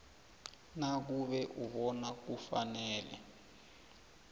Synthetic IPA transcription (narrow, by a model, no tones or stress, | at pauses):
nak̬uɓɛʔuɓɔnak̬ufanɛːlɛ̰